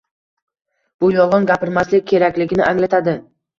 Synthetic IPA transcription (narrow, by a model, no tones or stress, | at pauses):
b̥ʊjɒlˠʁɨnɡʲapɪɾmaslɪk̚ʲkʲʰːe̞ɾakʲlɪɡʲɪnɪʔaŋlat̪ʰad̪ɪ